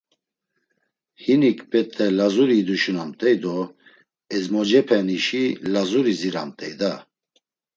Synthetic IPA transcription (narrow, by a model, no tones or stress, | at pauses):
hinikʰbɛt̪ʼɛlazuɾid̪uʃunamt̪ʼɛjd̪ɔ | ɛzmɔd͡ʒɛpʰɛniʃilazuɾiziɾa̰mt̪ʼɛjd̪a